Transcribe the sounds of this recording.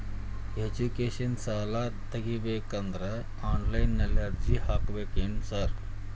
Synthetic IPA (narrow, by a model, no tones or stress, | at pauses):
ed͡ʑukeɕɐnsaːlat̪ɐɡibekɐnd̪ɾə | aːnlajnːɐljaɾd͡ʑihakʋekinsɐɾ